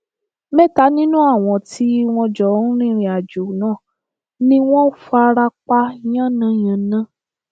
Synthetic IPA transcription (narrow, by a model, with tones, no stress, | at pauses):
mɛ˦˨ta˨˦nĩ˦nũ˦a˦˨w̃ɔ̃˧˨tʰi˨˦w̃ɔ̃˧d͡ʒɔ˨˦n̩˦ɾ̃ĩ˦˨ɾĩ˧˦a˨d͡ʒo˨nãː˦˨ | nĩ˦w̃ɔ̃˦fa˧ɾa˧k͡pa˦jã˦˨nã˨˦jã˨nã˦˨